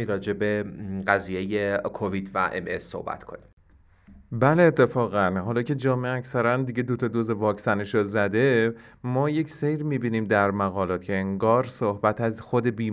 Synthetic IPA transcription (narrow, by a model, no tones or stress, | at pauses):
iɾɒːd͡ʒe̞be̞ɢæziːjejekʰovid̪væ̰ʔḛmesːo̰hbæ̰t̪kʰo̞̰nim | bæle̞ːt̪ʰːe̞fɒːɣænɦɒːlɒːcʰe̞d͡ʒɒːmeeæcsæɾænd̪iɟe̞d̪ot̪ʰɒd̪ozevɒːcsæneʃozæd̪e̞mɒːje̞cʰse̞jɾmiːbiːniːmd̪æɾmæɣɒːlɒːt̪cʰe̞eŋɡɒːɾsohbæt̪ʰæzxod̪e̞biː